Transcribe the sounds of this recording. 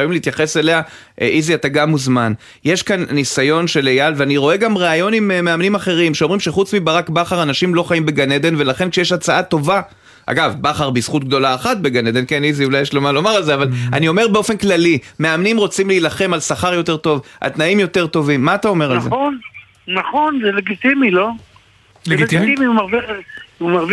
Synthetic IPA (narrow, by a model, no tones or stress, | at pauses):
vimleit̪jaχe̞se̞le̞a | ʔʔiziat̪aɡamuzman | jeʃkanːisajo̞nʃe̞lejalveaniʁo̞e̞ɡamʁeajo̞nimmeamnimaχe̞ʁimʃeo̞mʁimʃeχut͡smibaʁakbaχaʁanaʃimlo̞χaimbe̞ɡaned̪e̞nve̞laχe̞nkʃejeʃat͡saʔat̪o̞va | ʔa̰ɡavbaχaʁbisχut̪̚ɡ̚d̪o̞laːχat̪̚be̞ɡaned̪e̞nkeniziulajeʃlomalo̞maʁalzeavala̰nio̞me̞ʁbe̞o̞fe̞nklalimeamnimʁo̞t͡simleilaχe̞malsaχaʁjo̞te̞ʁt̪o̞vʔa̰lt̪naimjo̞t̪e̞ʁt̪o̞vimːaːt̪ao̞me̞ʁalzḛn | naχonzeleɡit̪imilo̞ | leɡit̪iimiumaʁviumaʁv